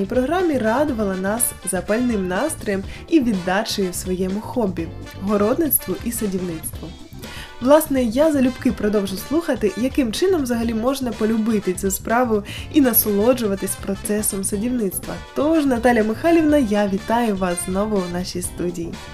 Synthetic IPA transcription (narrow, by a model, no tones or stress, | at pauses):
ijpɾɔɦɾɑmʲirɑd̪ʊʋɐlˠɐnɑs | zɐpɐlʲnɪmnɑst̪ɾɔjɛmiʋʲid̪ːɑt͡ʃɔjiwsʋɔjɛmʊxɔbʲi | ɦɔɾɔd̪nɪt̪st̪ʋʊʔisɐdʲiwnɪt̪st̪ʋʊ | ʋlˠɑsnɛjazɐlʲʊpkɪpɾɔd̪ɔwʒʊslˠuxɐt̪ɪjɐkɪmt͡ʃɪnɔmʋzɐɦɐlʲimɔʒnɐpɔlʲʊbɪt̪ɪt͡sʲuspɾɑʋʊinɐsɔlˠɔd͡ʒʊʋɐt̪ɪsʲpɾɔt̪sɛsɔmsɐdʲiwnɪt̪st̪ʋɐt̪ɔʒnɐt̪ɑlʲjɐmɪxɑlʲiwnɐjaʋʲit̪ɑjʊʋɑsznɔʋʊwnɑʃʲijst̪udʲijḭ